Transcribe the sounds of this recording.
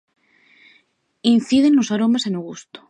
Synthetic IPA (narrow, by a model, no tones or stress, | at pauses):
in̟θiðe̞nlosaɾomesenoɣust̪o̥